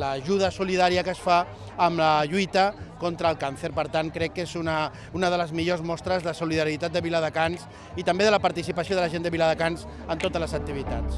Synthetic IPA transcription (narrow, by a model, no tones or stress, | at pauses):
ləʒuð̞əsuliðaɾiəkəsfaː | mləʎujt̪əkɔnt̪ɾəːlˠkanθəɾpəɾt̪aŋkɾɛkːezunə | unəðələzmiʎozmɔst̪ɾəzðəsuliðəɾit̪at̪̚d̪əβiləðəkans | it̪əmbeðələpaɾt̪isipəsioð̞əlɐəʒend̪əβiləðəkanz | ənt̪ot̪əzləzək̚t̪iβ̞it̪a̰s